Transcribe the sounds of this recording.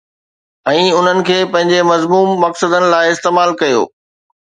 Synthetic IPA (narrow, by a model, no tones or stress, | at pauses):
ɛ̃ːʊn̤ənɪ̆kʰeːpɐ̃ɦɪ̃ɲ̆d͡ʑemɐzmuːmːɐksəd̪ənɪ̆laːɪɪst̪eːmaːlkɐjo̰ː